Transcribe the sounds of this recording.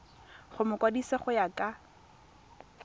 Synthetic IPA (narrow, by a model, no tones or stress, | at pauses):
χʊmʊkʼwadiseχʊjakʼa